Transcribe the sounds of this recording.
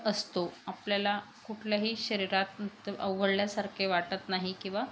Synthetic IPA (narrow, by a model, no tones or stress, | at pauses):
əst̪oapljala | kuʈʰljaɦiːɕəɾiɾat̪t̪ə̰ʋɡəɽljasaɾkʰeʋaʈət̪naɦikĩw̃ʋa